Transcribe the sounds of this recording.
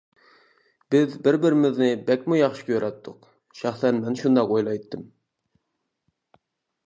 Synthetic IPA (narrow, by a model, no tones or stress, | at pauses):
b̥ɪzbɪɾbɪɾɪmɪznɪbɛkʲmujɑχʃɪ̥kʲʰøɾɛt̪ʰːʊq | ʃæχsɛnmɛnʃund̪ɑqojlˠɑjt̪ʰːɨm